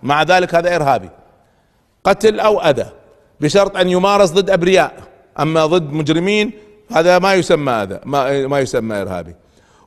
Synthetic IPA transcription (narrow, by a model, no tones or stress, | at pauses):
maʕðaːlɪkhaːðaʔɪɾɦaːbḭ | qɑt̪lʔawʔaða | bɪʃɑɾˤt̪ˤʔanːjʊmɑːɾɑs̬ˤðˤɨd̪ːʔabɾɪjaːʔ | ʔamːaðˤɨd̪ːmʊd͡ʒɾɪmiːn | haːðamajʊsamːaʔaða̰mamajʊsamːaʔɪ̰ɾha̰ːbḭ